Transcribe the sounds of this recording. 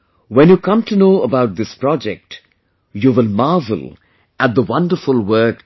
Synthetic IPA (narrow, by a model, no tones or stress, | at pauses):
wɛ̃njukʰʌ̃mtunoːəbaʊt̚ðɪspɾ̥ɔd͡ʒɛk̚t | juwɪlmɑːvə̰l̩ | æt̪̚d̪əwʌ̃ndəfʊlˠwɜ˞k